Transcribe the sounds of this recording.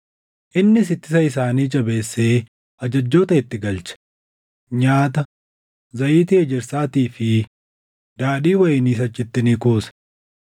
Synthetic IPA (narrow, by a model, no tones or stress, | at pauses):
ʔɪnːɪs̬ɪt̪ːɪsɐɪs̬aːniːt͡ʃʼɐbe̞ːsːeː | ʔɐd͡ʒɐd͡ʒːo̞ːt̪ɐɪt̪ːɪɡɐlt͡ʃɐ̥ | ɲaːt̪ɐ | zɐʔiːt̪ɪɛd͡ʒɪɾsaːt̪iːfɪ | d̪̥aːᶑiːwɐjɪniːs̬ɐt͡ʃːɪt̪ːɪnikoːsɐ̥